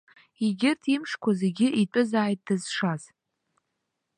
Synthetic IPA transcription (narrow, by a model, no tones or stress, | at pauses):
iɡʲɪrtʰimʂkʷʰaze̞ɡʲɪʔitʼɨzaːjt̚ʼd̥ɨz̥ʂaz